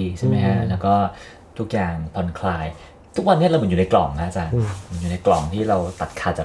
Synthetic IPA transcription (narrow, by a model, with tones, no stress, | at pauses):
i˧t͡ɕʰa˥˩ma˦˥jkʰa˦˥lɛː˦˥wkɔː˥˩ | t̪ʰu˦˥k̚jaː˨˩ŋpʰɔ˧nkʰlaː˧j | t̪ʰu˦˥k̚wa˧nːi˥˩˨ɾa˧m˩˦ju˨˩na˧jklɔ̰˨˩ŋkʰa˦˥t͡ɕa˧˩mɯ˨˩˦njuː˨˩na˧jklɔ˨˩ŋt̪ʰiː˥˩ɾa˧wt̪a˨˩t̪̚kʰaː˧t͡ɕa˨˩